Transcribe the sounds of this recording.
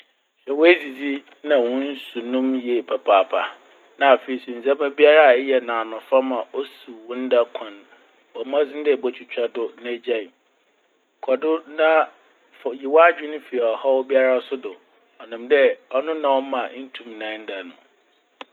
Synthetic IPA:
ɕᶣɛ˨wɔ˦æ˦zi˨d͡zi˦ | nã˨wɔ̃˦n̩˦su˨nũ˦mjɛ˨pʰa˨pʰaː˨pʰa˨ | nã˨a˨fe˨i˨sĩ˨n̩˨zã˦mã˦bi˦a˦ɾa˦˨˦jɛ˨nãː˨nʊ̃˨fa˦mã˨ʔo˦su˨wʊ̃˦n̩˦da˦kʷʰã˨n | ɔ˨˦mã˦d͡zɪ̃˦n˦dɛ˦˨bɔ˨t͡ɕʰᶣu˨t͡ɕᶣa˦dʊ˨nã˦d͡ʑã˦˨ | kʰɔ˨dʊ˦nã˦ | fji˨wa˦d͡ʑᶣɪ˦nʊ̃˦fi˨a˨ɔ˨hɔ˦wɔ˦bi˦a˦ɾa˦sʊ˦dʊ˨ | ɔ˨nʊ̃˨mdɛ˦ɔ˦nʊ̃˦nã˨wɔ˦mã˨˦n̩˦tʰũ˦˨mnã˨˦n˦da˨nʊ̃˨

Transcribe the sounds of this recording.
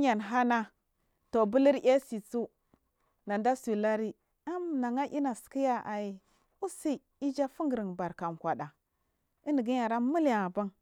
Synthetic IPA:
ɲa˨nɦa˦na˦ | to˨bu˦li˦ɾja˦si˨t͡su˦ | na˨nda˦su˨la˦ɾi˦ | a˦mna˨ŋa˦ʔi˦na˨ski˦ja˦ʔa˨ji˨ | u˦si˦ | i˦d͡ʒa˦fu˦ŋɡə˨ɾi˨ŋba˨ɾka˨mkʷa˨ɗa˨ | i˦ni˨ɡi˦ɲa˨ɾa˦mu˦la˨ba˦ŋ

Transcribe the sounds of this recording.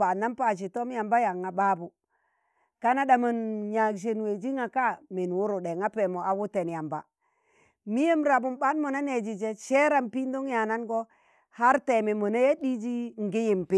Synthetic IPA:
pa˨nːa˦mpa˨t͡ʃ̬i˨to˦m˦ja˨mba˦ja˨ŋːa˨ba˦bu˨ | ka˦na˦da˨ma˨nja˨kʃ̬e˨nwe˨d͡ʒi˦ŋa˨ka˦me˨n˨wu˦ɾu˨de˨ŋa˦pe˨mo˨a˨wu˦te˨nja˨mba̰˨ | mi˦je˦mɾa˨bu˨mba˦nmo˨na˦ne˨d͡ʒi˨d͡ʒe˦ʃe˦ɾa˦mpi˦n˦do˦ŋja˨na˦nɡɔ˦ | ha˦ɾte˨me˨mo˨na˦je˦di˦d͡ʒi˦ŋ˨ɡi˦ji˨mpi˦

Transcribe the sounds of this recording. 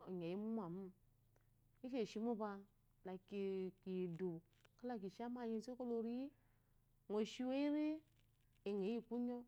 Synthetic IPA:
o˨ɲ˨e˨ji˦mu˦m˦a˨mu˦˨ | i˦ke˦˨ʃi˧˦mu˦ba˧ | la˨ki˨ki˨du˨ | ka˦la˦˨k̬i˨ʃa˦ma˦˨ɲe˧˨se˦ko˦lo˧ɾi˦i˦ | ŋo˨ʃi˦we˦i˦ɾi˦ | e˨ŋ˨e˨˦i˦˨k͡pu˦ɲo˦

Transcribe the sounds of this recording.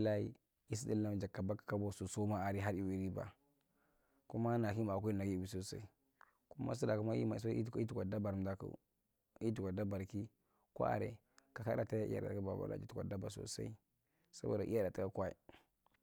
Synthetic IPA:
i˦la˦i˦ | i˦si˦di˦lːa˦m˦d͡ʒa˨kːa˨ba˦kḁ˨ka˦bo˦su˨so˦ma˦a˨ɾi˦ɦa˦ɾi˦wi˨ɾi˦ba̰˨ | ku˦ma˦na˨ki˦ma˨ku˦i˦na˨ɡi˦i˨bi˨so˨sa̰˦i˦ | ku˦ma̰˦s̬u˦da˨ku˦ma˦ḭ˦ma˨so˦˨˦i˦u˨a˨da˦ba˨ɾm˨da˨kṵ˨ | i˦tu˨ka˨da˦ba˨ɾki˦ | ko̰˦ʔa̰˨ɾḛ˨ | ka˨ka˦ɾa˨ta˦ja˦ḭ˦a̰˨da̰˨tka˦ba̰˨ba̰˦a̰˦˨d͡ʒi˦tu˨kʷa˨da˦ba˨so̰˨sa̰˦i˦ | sa̰˦bo̰˨da˨ʔi˦a˦da˨ta˨˦a˦kʷa˦ḭ˨

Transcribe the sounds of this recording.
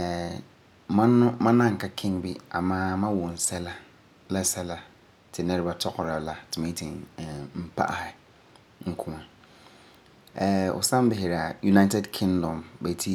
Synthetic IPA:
ɛ˨ | mã˦nʊ̃˦mã˦nã˦˨ŋ̩˨ka˦kʰɪ̃˦ŋbi˦a̰˨mãː˦mã˦wʊ̃˨n̩˨sɛ˦la˦ | la˦sɛ˦la˦ | tʰɪ˨nɛ˦ɾba˦tʰɔ˦kʰɔ˨ɾa˨la˨tʰɪ˨mẽ˨˦i˦tʰĩ˨ŋ˨m̩˦pʰa̰˦ʔɛ˨ | ŋ̩˨kʰũ˦ã˨ | ɛ˨ʔʊ̰˨sã˦m˦bɪ˨ɦe˨ɾa˨ju˨na˦tʰɛ˦dkʰɪ̃˦ŋdɔ̃˨mbɛ˨tʰi˦

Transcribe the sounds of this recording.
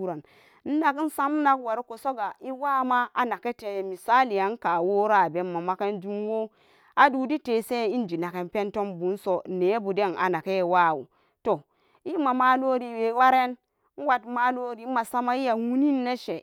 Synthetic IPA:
u˦ɾa˨n | n̩˦na˨kn̩˦sa˦m˦na˦kwa˨ɾko˨so˦ɡa˨i˦wa˦ma˦a˨na˨ke˦te˨mi˨sa˦li˨ja˨n˦ka˨wo˦ɾa˦˨be˨mːa˨ma˨ke˦nd͡ʒu˦m˦wo˦ | a˨du˨˦di˦te˨se˦i˦n˦d͡ʒi˨na˨ke˨npe˦nto˦mbu˨˦n˦so˨ne˨˦bu˨de˦na̰˨na˨ke˦˨wa˦˨wṵ˨ | to˨ | i˦ma˨ma˦lo˦ɾi˨we˨˦wa˦ɾe˦n˦ | n̩˦wa˦tma˦lo˦ɾi˨˦ma˨sa˦ma˦i˦ja˨wu˦ni˦nː˦e˦ʃe˨

